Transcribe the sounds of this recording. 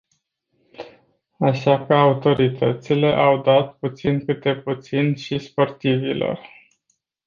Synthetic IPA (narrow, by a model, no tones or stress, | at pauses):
aʃakəaut̪o̞ɾit̪ʰət̪sile̞ʔawd̪at̪̚put̪sinkɨt̪̚d̪e̞put̪sinʃispo̞rt̪ivilo̞̰r